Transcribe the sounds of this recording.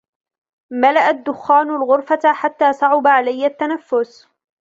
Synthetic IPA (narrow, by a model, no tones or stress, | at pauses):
malaʔad̪ːʊxːaːnʊlɣʊɾfaħat̪ːaːsˤɑʕʊbaʕalajːat̪ːanafːʊs